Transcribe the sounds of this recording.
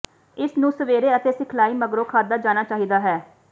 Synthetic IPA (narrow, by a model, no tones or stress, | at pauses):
ɪsnũːsəʋeːɾeːət̪eːsɪkʰlaːiːməɡɾoːkʰaːd̪aːd͡ʒaːnaːt͡ʃaːɦiːd̪aːɦɛː